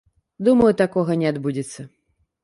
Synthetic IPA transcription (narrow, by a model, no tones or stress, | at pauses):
d̪umɐjut̪akɔɣɐnʲɛad̪bud͡zʲɛt̪sːɐ